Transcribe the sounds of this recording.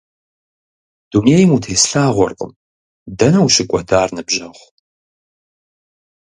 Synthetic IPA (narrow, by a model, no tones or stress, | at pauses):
d̥uneːjɪmutʰeːsɬaːʁʷɔ̰rqʼə̰m | dɐnɐwɕɪkʷʼɔdaːrnɨbʒɐʁʷ